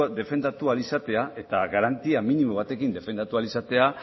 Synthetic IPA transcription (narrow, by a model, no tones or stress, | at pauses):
d̪e̞fe̞nd̪at̪ualisat̪e̞ae̞t̪aɣaɾant̪iaminimoβ̞at̪e̞kind̪e̞fe̞nd̪at̪ualisat̪e̞a